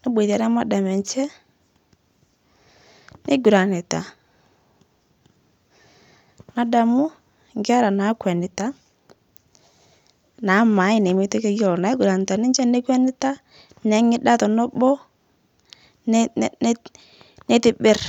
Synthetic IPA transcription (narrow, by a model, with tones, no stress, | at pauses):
ne˦btɛ˨ɾɛ˦ma˦da˨mɛ˨nt͡ʃɛ˦ | ne˦ɡu˨ɾa˨nɪ˨ta̰˨ | na˨˦da˨mʊ˦ | ŋɡa˦ɾa˨na˨˦kwɛ˨nɪ˨ta˦ | na˨˦ma˨˦ɪ˦ne˨mɪ˦ti˦ke˦jɔ˦lɔ˨na˨ɪ˦ɡu˨ɾa˨n˨ta˨nɪ˦ɲt͡ʃɛ˦ne˦kwɛ˦nɪ˦ta˦ | nɛ˨˦ŋɪ˦da˦tɔ˨no˦bɔ˦ | n˦ | ne˦tɪ˦bɪ˦r